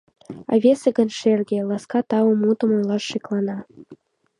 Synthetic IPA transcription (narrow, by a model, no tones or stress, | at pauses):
ɑ̰vʲeseɡə̆nʃerɡʲĕlˠɑskɑt̪ɑwŏmut̪ə̆mɤ̆nlˠɑʃːiklˠɑnɑ